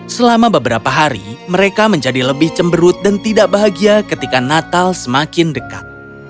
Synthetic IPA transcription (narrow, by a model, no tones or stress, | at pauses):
səlamabəbəɾapaɦaɾḭməɾekaməɲd͡ʒadiləbɪht͡ʃəmbəɾʊt̪̚dant̪idaʔ̚baɦaɡiakət̪ikanat̪alsəmakɪndəka̰t̪̚